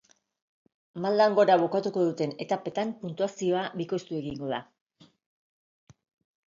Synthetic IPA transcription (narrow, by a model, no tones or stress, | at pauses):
mald̪aŋɡo̞ɾaβo̞kat̪uko̞ðut̪e̞ne̞t̪ape̞t̪ampunt̪uasio̞aβiko̞st̪ue̞ɣiŋɡo̞ða